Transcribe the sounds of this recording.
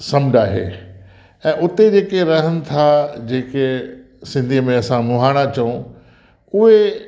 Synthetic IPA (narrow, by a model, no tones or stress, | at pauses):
sɐmd͡ʑʱaːɦḛː | ɛ̃ːʔʊt̪ed͡ʑeːkeɾɐɦənɪ̆t̪ʰad͡ʑeːke | sɪ̃nd̪ʱiəmẽɐsãmʊɦaːɽ̃at͡ɕɐũ | ʊɦe